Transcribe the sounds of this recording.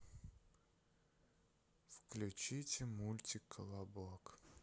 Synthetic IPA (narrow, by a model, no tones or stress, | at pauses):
fklʲʉt͡ɕitʲɪmulʲtʲɪkʰəlˠablˠok